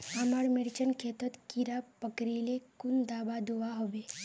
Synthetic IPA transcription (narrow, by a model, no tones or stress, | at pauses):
aməɾmɪɾt͡ʃənkʰeːt̪ət̪kiɾapəkɾelekʊnd̪aːbad̪oaɦobe